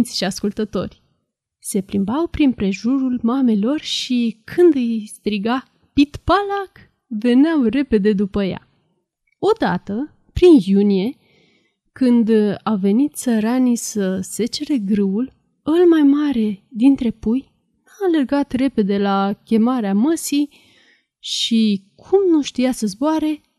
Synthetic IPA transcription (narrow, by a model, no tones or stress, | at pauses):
t̪sʲʃiaskult̪ət̪o̞̰rʲ | se̞plimbawpɾinpɾe̞ʒuɾulmame̞lo̞rʃikʰɨnd̪ɨjst̪ɾiɡa | pit̪palak | ve̞neawre̞pe̞d̪e̞d̪upəja̰ | o̞d̪at̪ə | pɾinjunije̞ | kɨnd̪awve̞nit̪̚səɾanisəse̞t͡ʃe̞ɾe̞ɡɾɨul | əlmajmaɾe̞d̪int̪ɾe̞puj | nalerɡat̪re̞pe̞d̪e̞lakʲe̞maɾeaməsi | ʃikʰumnuʃt̪ijasəzboaɾe̞